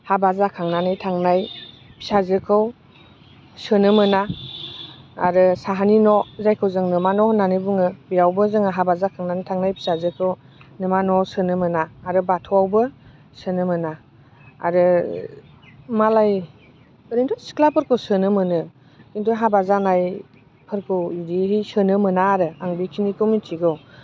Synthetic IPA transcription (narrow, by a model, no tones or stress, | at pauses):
habazakʰaŋnanɯjtʰaŋnaj | pʰi̥sazɯkʰɯw | sɯnɯmɯna | a̰ɾɯsaɦaninɔzajkʰɯwzɯŋnɯmanɔhnanɯbuŋɯbijawbɯzɯŋaɦabazakʰaŋnanɯjtʰaŋnajpʰi̥sazɯkʰɯw | nɯmanɔsɯnɯmɯnaːɾɯbatʰɔwawbɯ | sənɯmɯna̰ː | ɾɯ | malaj | ɯɾintʰɔsi̥kʰlapʰɯɾkʰɯwsɯnɯmɯnɯ | kintuɦabazanaj | pʰɯɾkʰɯidiɦijsɯnɯmɯnaːɾɯaŋbikʰinikʰomitʰiɡɯw